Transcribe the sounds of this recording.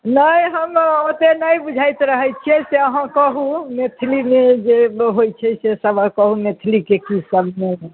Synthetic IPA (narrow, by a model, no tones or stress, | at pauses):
nəjɦəmot̪enajbud͡ʒʱajt̪ɾəɦət͡ʃʰiɛseəɦãkəɦumet̪ʰlimed͡ʒeɦojt͡ʃʰɛsesəbakəɦũmet̪ʰilikekisəbʱme